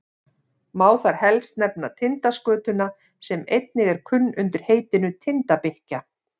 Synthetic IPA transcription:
maːwθaɾ̥hɛlst̪nɛpnat̪ʰɪnt̪askœːt̪ʏna | sɛmejt̪̚nɪɣɛɾ̥kʰʏnːʏnt̪ʏɾ̥heːjt̪ɪnʏt̪ʰɪnt̪apɪhca

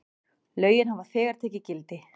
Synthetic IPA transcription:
lœːɥjɪnhavḁfɛːɣaɾ̥t̪ʰɛːcɪcɪlt̪ɪ

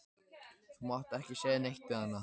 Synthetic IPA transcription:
hunaht̪ɛhcɪsɛːðnejht̪ʏhanːa

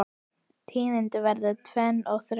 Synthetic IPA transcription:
t̪ʰiːðɪnt̪ɪvɛɾðʏt̪ʰvɛnːɔɣθɾ

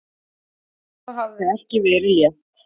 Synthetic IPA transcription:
θɔɦavðɪðɛhcɪvɛɾɪljɛht̪

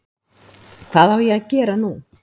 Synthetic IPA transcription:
kʰv̥aːðhavjɛaðcɛːɾanu

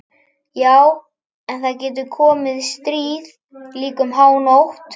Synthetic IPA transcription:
jaːw | ɛnθaðcɛːt̪̬ʏkʰɔːmɪðst̪ɾiːð | liːkʏmɦaːwnowht̪

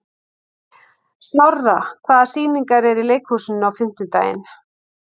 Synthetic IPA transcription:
st̪nɔrːakʰvaːðasiːniŋkaɾɛɾileːjkhuːsʏnawfɪm̥t̪ʏt̪a̰ːjɪ̰n

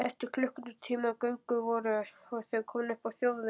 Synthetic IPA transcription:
ɛht̪ɪɾkʰlʏhkʏnʏt̪ʰiːmakœɥŋkʏvɔːɾʏɔɣθevkʰɔːmnʏhpawθjowðɪ

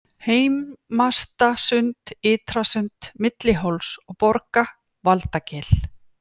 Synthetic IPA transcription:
heːjmːast̪asʏnt̪ɪːt̪ɾasʏnt̪mɪt̪lɪɦowlsɔɣpɔɾka | valt̪acɛːl

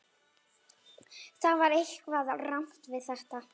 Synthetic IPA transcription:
θaðvaɾehkvaðaram̥t̪vɪðθɛht̪a

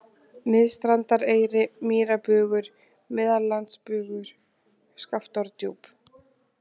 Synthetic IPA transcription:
mɪðst̪ɾant̪aɾeːjɾɪmiːɾapʏːɣʏɾ̥ | mɪðallant̪spʏɣʏɾ̥ | skaft̪ɔɾt̪jowp

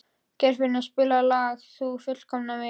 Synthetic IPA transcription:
cɛɾ̥vɪnaspɪːlalaːɣθufʏl̥kʰɔmnavɪ

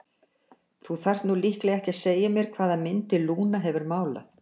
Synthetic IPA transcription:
θuθar̥t̪nulihklɛɣɛhcɪaðseːjamjɛɾkʰvaːðamɪnt̪ɪluːnaɦɛvʏɾmaːwla̰θ

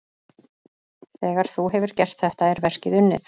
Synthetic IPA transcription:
θɛːɣaɾ̥θuɦɛvʏɾ̥cɛr̥t̪θɛht̪aɛɾvɛr̥cɪðʏnːɪ̰θ

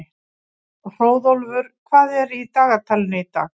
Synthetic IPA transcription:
r̥oːwðolvʏɾ̥kʰvaːðɛɾit̪aːɣat̪ʰalɪnɪit̪a̰ːɣ

